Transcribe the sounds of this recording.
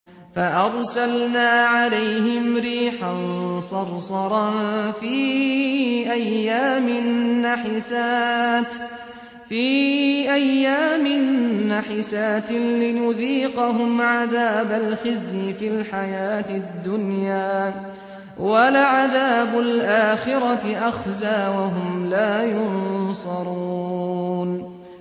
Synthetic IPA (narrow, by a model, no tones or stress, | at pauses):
faʔɑɾˤsalnaːʕalajɦɪmɾiːħansˤɑɾˤsˤɑɾˤɑfiː | ʔajːaːmɪnːaħɪsaː | fiːʔajːaːmɪnːaħɪsaːt̪lɪjʊðiːqɑɦʊmʕaðaːbalxɪzjɪfɪlħajaːt̪ɪd̪ːʊnjaː | walaʕaðaːbʊlʔaːxɪɾɑʔaxzaːwaɦʊmlaːjʊnsˤɑɾˤu | n